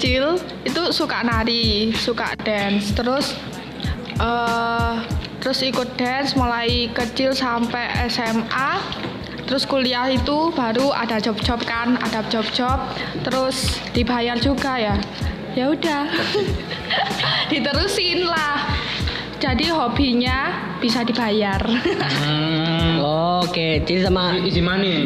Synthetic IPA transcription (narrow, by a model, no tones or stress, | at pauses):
t͡ʃɪl | it̪usukaʔnaɾisuka̰ʔd̥ɛnst̪əɾʊs | ʔə | t̪əɾʊsikʊt̪̚d̥ɛnsmulaikət͡ʃɪlsampɛʔɛsɛmʔa | t̪əɾʊskuliahit̪ub̥aɾua̰d̥ad͡ʒɔp̚d͡ʒ̥ɔp̚kana̰dap̚d͡ʒ̥ɔp̚d͡ʒɔp̚ | t̪əɾʊsd̥ibajard͡ʒuɡaja | jaudah | d̥it̪əɾusɪnlah | d͡ʒ̥adiɦob̥iɲa | b̥isadi̤b̥ajar | oked͡ʒidsamaid͡ʒimani